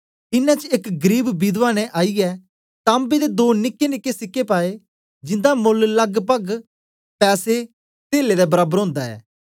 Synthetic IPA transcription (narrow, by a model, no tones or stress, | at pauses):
ɪnːãt͡ʃekɡəɾiːbbid̪ʋaːñɛ̃ʔaːiɛ | t̪ãːmbed̪ed̪oːnɪkːenɪkːesɪkːepaːe | d͡ʒɪ̃nd̪amʊllɐɡpəɡ | pɛːse | t̪eːled̪ɛbɐɾaːbəɾɦõːnd̪aɛ̰ː